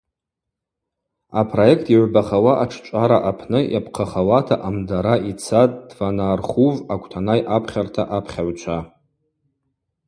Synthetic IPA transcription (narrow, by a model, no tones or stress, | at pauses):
apʰro̞jek̚ʰtʰiʕʷbaχawaʔaʈ͡ʂʰt͡ʃʷʼaɾaʔapʰnɨjapʰqʰaχawatʰaʔamdaɾait͡sʰatʼdvanaːrχuvakʷʰʼtʰanajʔapʰχʲartʰaʔapʰχʲaʕʷt͡ʃʷʰa